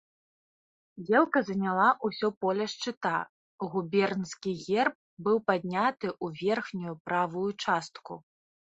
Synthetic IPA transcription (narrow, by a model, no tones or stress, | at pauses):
jʲɛlˠkɐzɐnʲalˠaʔusʲɔpɔlʲɛʂt͡ʂɨt̪a | ɣubʲɛrnskʲiɣʲɛrp̚bɨwpad̪̚ʲnʲat̪ɨʔuvʲɛrxnʲujupɾavujut͡ʂast̪ku